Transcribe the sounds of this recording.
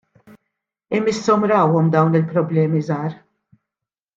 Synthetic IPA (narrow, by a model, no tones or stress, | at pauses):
ɪmɪsːɔmɾɐːwɔmd̪ɐwnɪlpɾɔblɛːmizɐːɾ